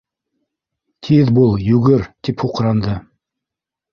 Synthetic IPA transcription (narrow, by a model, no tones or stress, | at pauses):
t̪ʰiðbulˠjʉɡɘɾt̪iphuqɾɑnd̪ɤ